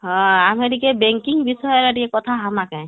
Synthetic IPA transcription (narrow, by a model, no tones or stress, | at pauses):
ɦɔ̃ameɾikebɛŋkiŋbisɔjɔɾaɾiekɔt̪ʰaɦamakaj̃